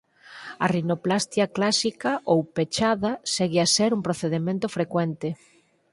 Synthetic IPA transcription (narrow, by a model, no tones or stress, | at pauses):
ɐ̰rinoplast̪jɐklasikɐʔowpet͡ʃaðɐseɣeasɛɾumpɾoθeðemẽnt̪ʊfɾekwɛnt̪e